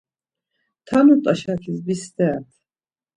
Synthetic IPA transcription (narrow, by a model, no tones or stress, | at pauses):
t̪ʰanut̪ʼaʃakʰisbist̪ɛt̪ʰ